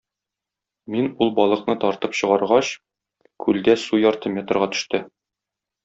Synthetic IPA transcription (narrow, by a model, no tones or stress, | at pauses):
minulˠbɒlˠɤ̆qnɤt̪ɒɾt̪ɤpɕɤ̆ʁɑɾʁɑɕ | kʰʉld̪æsujɒɾt̪ɤmʲet̪ə̆rʁɑt̪ɵ̥̆ʃt̪ɘ